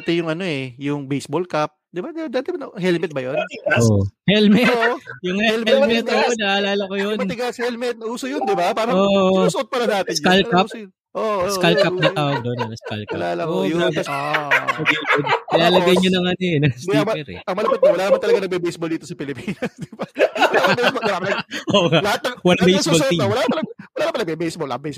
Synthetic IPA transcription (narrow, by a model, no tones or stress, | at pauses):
t̪ɛjʊŋɐno̞ɛjʊŋbejsbolkap̚d̪ɪbad̪d̪aːt̪ɛbɐnɐɦɛlmɛt̪̚bɐjonohɛlmɛt̪jʊŋhɛllmɛt̪oʔonɐʔɐlaːlɐkojonmɐɪɡasɐhɛlmɛt̪̚nɐuːsojond̪ɪbapaːɾɐosʊʔot̪̚pɐlɐnaːt̪ɪnskalkasn | ʔoskalkɐp̚nɐt̪aʔoɡd̪onɐŋɐska̰lka̰aːlɐʔoʔɐaːbɪ | oɡɛd̪onkɪlaːlɐɡɐjɲonɐŋɐnɛnɐiɐɛɾɛ̰ɐŋmɐlɐpɪt̪̚ːɐwɐlaːnmɐnt̪ɐlɐɡanɐɡ̚bɛbejsbold̪iːt̪osɐpɪlɪpiːnɐsd̪ɪba | aoɡɐlɐhat̪̚nɐŋwɐlɐbejsbolt̪iowɐlaːpɐlɐwɐlaːɾɐmpɐlɐɡbɛbejsbolɐabejs